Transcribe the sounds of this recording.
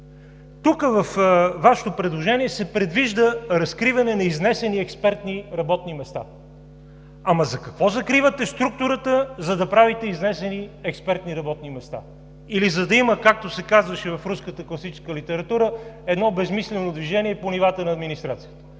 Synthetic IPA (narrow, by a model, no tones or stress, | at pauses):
t̪ukəvɐfvaʃɛ̥t̪opɾɛd̪lˠoʒɛniɛsɛpɾɛd̪viʒd̪əɾɐskɾivɐnɛnɐiznɛsɛniɛkspɛɾt̪niɾɐbɔt̪nimɛst̪a̰ | ɐmɐzɐkɐkvɔzɐkɾivət̪ɛst̪ɾuk̚t̪ʊɾət̪əzɐd̪ɐpɾavit̪ɛiznɛsɛniɛkspɛɾt̪niɾɐbɔt̪nimɛst̪a̰ | ilizɐd̪ɐiməkak̚t̪osɛkazvəʃɛvɐfɾuskət̪əklˠɐsit͡ʃɛ̥skəlit̪ɛɾɐt̪uɾəɛd̪nɔbɛzmislɛnod̪viʒɛniɛponivat̪ənɐːd̪minist̪ɾat̪sijət̪ə̥